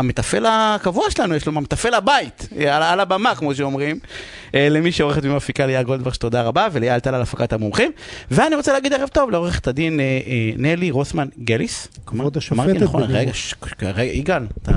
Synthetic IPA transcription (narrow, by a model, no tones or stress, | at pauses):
amet̪afe̞lakavuaʃelanujeʃlomamet̪afe̞labait̪alalabamakmo̞ʃ̬eo̞mʁim | elemiʃeo̞ʁeχet̪mimafikalejaʁɡold̪vaʁʃe̥t̪o̞d̪aʁabavelejalt̪alalafakat̪amomχimveaniʁot͡seleaɡid̪eʁevt̪o̞vleo̞ʁeχe̥t̪ad̪inenːeliʁosmanɡeliskamamaʁt̪inaχonʁeɡaʃʁeɡiɡalt̪a